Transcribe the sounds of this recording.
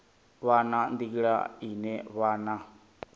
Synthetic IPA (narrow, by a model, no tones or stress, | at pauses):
βanand̪ikiɺa̰inɛβana